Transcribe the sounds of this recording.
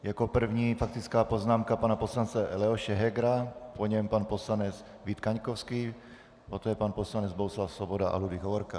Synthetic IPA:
jako̞pr̩vɲiːfak̚t̪ɪt͡skaːpo̞znaːmkapanaposlant͡sɛlɛoʃɛɦɛɡɾapoɲɛmpanpo̞slanɛt͡s | vit̪kaɲkofskiː | pot̪ojɛpanposlanɛd͡zboɦuslafsvobodaʔa̰ludɪɣɦovoɾka

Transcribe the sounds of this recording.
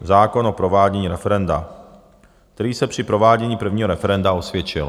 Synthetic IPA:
zaːko̞nopɾovaːɟɛɲiːɾɛfɛɾɛnda̰ | k̚t̪ɛɾiːsɛpr̝̥ɪpɾo̞vaːɟɛɲiːpr̩vɲiːɦoɾɛfɛɾɛndaosvjɛt͡ʃɪ̰l

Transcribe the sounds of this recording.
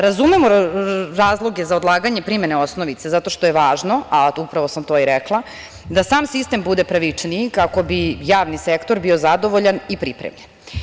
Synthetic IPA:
ɾazumemoɾaːzlˠo̞ɡezaod̪lˠaːɡaɲepɾime̞neosnoʋit̪sezat̪o̞ʃt̪o̞jeʋaːʒno̞aupɾaʋo̞samt̪o̞ːiɾeklˠa | d̪asaːmsist̪e̞mbud̪e̞pɾaʋit͡ʂnikako̞bijaːʋnisekt̪oɾbio̞zad̪o̞ʋo̞ʎanipɾipɾḛmʎen

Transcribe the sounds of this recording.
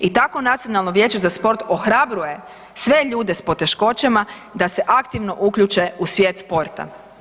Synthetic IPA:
it̪ako̞nat̪sijonalˠno̞ʋje̞ːt͡ɕezaspo̞ɾt̪o̞xɾabɾuje̞ | sʋe̞ʎuːd̪e̞spo̞t̪e̞ʃko̞t͡ɕema | d̪ase̞ʔakt̪iʋno̞ʔukʎut͡ʃe̞usʋje̞ːt̪spo̞ɾt̪a̰

